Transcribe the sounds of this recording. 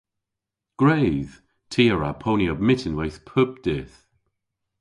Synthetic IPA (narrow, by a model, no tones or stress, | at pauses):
ɡ̥ɹejð̥ | tʰiːəɹapʰoːnjɔb̚mɪtʰɪnwɛjθpʰʊp̚d̥ɪːθ